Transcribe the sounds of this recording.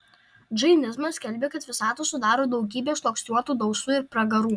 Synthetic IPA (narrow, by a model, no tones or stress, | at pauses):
d͡ʒɐɪnʲɪzmɐsʲskʲɛlʲbʲeːkɐt̪ʋʲɪsɑːt̪usʊd̪ɑːɾoːd̪ɒʊɡʲiːbʲeːʃlˠoːksʲt̪ʲuɔt̪uːd̪ɒʊsuːɪɾpɾɐɡɐɾuː